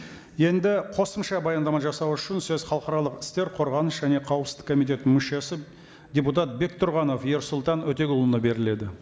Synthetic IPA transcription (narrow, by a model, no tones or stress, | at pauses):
je̞nd̪ɪqʰo̞səmʃɑbɑjɑnd̪ɑmɑʒɑsɑwʏʃɪnsɵz̥χɑlˠəqɑɾɑlˠəqɪ̥st̪e̞ɾqʰo̞ɾʁɑnəʃʒæne̞qʰɑwəpszɪkʰːo̞mijt̪̬ʲe̞t̪nɪŋmʏʃe̞sɪ | d̪ʲeput̪̬ɑt̪̚be̞k̚t̪ʰʊɾʁɑno̞fjeɾsʊlˠt̪ɑnwɵt̪e̞ɡʲʊlˠənəbe̞ɾɪle̞d̪ɪ